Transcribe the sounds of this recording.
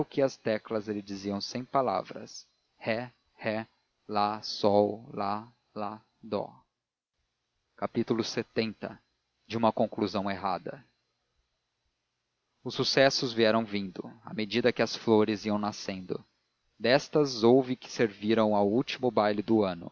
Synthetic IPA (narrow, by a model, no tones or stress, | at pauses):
ʊkɪɐst̪ɛklɐzelɪd͡ʒiziɐ̃w̃sẽj̃pala̰vɾɐ̰s | hɛ | hɛ | lasɔwla | la | d̪ɔ̰ | kapit̪ulʊset̪ẽnt̪ɐ | d͡ʒɪũmɐkõŋkluzɐ̃w̃eɦad̪ɐ̰ | ʊsːusɛsʊzviɛɾɐ̃w̃vĩnd̪ʊa̰med͡ʒid̪ɐkɪɐsfloɾɪziɐ̃w̃nasẽnd̪ʊ̰ | d̪ɛst̪ɐzowvɪkɪ̥seɾviɾɐ̃w̃awut͡ʃimʊbajlɪd̪ʊɐ̃nʊ̰